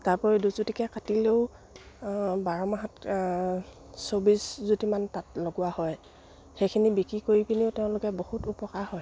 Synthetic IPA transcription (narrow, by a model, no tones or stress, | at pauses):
taɹpɔɹiduzutikɛkatileʊ | baɹɔmaɦat | sobiszutimantatloɡʊwahɔj | xejkʰinibikɹikoɹipʰiniʊtɛʊ̃lʊkɛbohutupɔkaɹhɔj